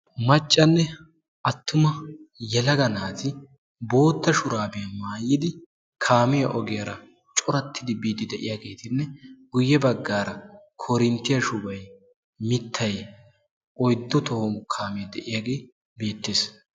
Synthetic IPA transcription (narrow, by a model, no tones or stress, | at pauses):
mɐt͡ʃʼːɐnːɛ | ɐt̪ːʊmɐjɛlɐɡɐnaːzɪ | bo̞ːt̪ːɐʃʊɾaːbɪjɐmaːjːɪd̪ɪ | kʰaːmɪjɐʔɔɡɪjɐɾɐ | t͡ʃʼɔɾɐt̪ʰːɪd̪ɪbiːd̪ɪd̪ɛʔɪjaːɡe̞ːt̪ɪnːɛɡ̥ʊjːɛbɐɡːaːɾɐkʰɔɾɪnt̪ːɪjɐʃʊbɐj | mɪt̪ʰːɐj | ʔɔjd̪ːɔt̪ɔhomʊkʰaːmɪjɐd̪ɛʔɪjaːɡe̞ː | be̞ːt̪ːeːs